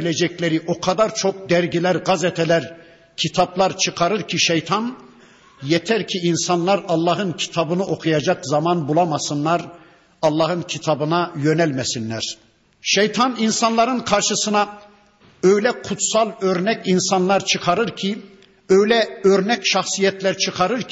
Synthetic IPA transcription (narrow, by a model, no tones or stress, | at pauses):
lʲed͡ʒɛclʲeɾiʔo̞kʰad̪aɾt͡ʃʰo̞k̚d̪æɾɟilʲæɾɡazɛt̪ʰɛlʲæɾ | cʰit̪ʰablˠaɾt͡ʃʰɯkʰaɾɯɾcʰiʃejt̪ʰan | jet̪ʰæɾcʰiinsanlˠaɾɑlˠːɑɦɯncʰi̥t̪ʰabɯnɯo̞kʰujad͡ʒakzamanbulˠamasɯnlˠaɾ | ɑlˠːɑhɯncʰit̪ʰabɯnajø̞nælʲmɛsinlːæ̰ɾ̥ | ʃejt̪ʰaninsanlˠaɾɯnkʰaɾʃɯsɯna | øjlʲɛkʰut̪salˠøɾnɛcinsanlˠaɾt͡ʃʰɯkʰaɾɯɾcʰi | øjlʲɛø̞ɾnɛcʃɑxsijɛt̪ʰlʲæɾt͡ʃʰɯkʰaɾɯɾ